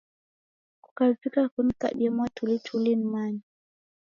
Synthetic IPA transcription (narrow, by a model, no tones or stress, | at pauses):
ku̥kavikakunita̰ɗiɛmwatʰulitʰulinimaɲi